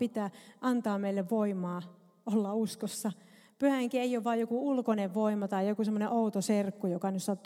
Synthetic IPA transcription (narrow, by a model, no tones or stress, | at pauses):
pit̪æːʔɑnt̪ɑːmeilːeʋʋoimɑː | olːɑuskosːɑ | pyhæheŋkieijoːʋʋɑːjokuulkoneʋʋoimɑt̪ɑijjokusemːoneʔout̪oserkːujokɑnyssɑt̪ː